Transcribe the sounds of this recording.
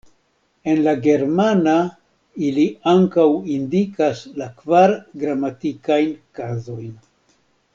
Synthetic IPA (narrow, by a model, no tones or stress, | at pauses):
e̞nlaɡe̞ɾmana | iliaŋkawindikaslakvaɾɡɾamatikajnkazo̞jn